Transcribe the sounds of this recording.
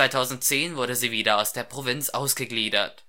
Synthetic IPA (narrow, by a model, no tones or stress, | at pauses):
aɪtʰaʊzn̩tt͡seːnvʊɐɾəziːviːdɐaʊsd̥eːɐpʁ̥ovɪnt͡sʔaʊsɡ̥əɡliːdɐ̰t